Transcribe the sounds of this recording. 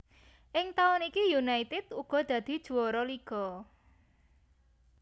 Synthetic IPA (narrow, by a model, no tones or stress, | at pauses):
ʔɪŋt̪aʊnikijunait̪ɪd̪̥uɡ̥ɔ̤d̪̥ä̤d̪̥i̤d̥ʒ̥ṳwɔɾɔliɡ̥ɔ̤